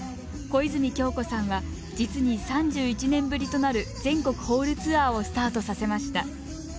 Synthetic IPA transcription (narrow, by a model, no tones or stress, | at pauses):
koizɨɲʲikʲo̞ːko̞sãɰ̃βa | d͡ʑit͡sɨɲ̟isãɲ̟d͡ʑɨːit͡ɕinẽ̞mbɯ̟ɾʲit̪o̞naɾɯ̟zẽ̞ŋko̞kɯ̟̥ho̞ːɾɯ̟t͡sɨaːo̞sɨ̥t̪aːt̪o̞sase̞maɕi̥t̪a